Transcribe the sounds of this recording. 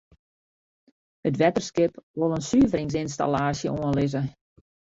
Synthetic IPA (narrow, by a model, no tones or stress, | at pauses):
hətʋɛtərskɪpʋolˠənsyəvəɾɪŋs̬ɪns̬ta̰laːsjəʔoənlɪzə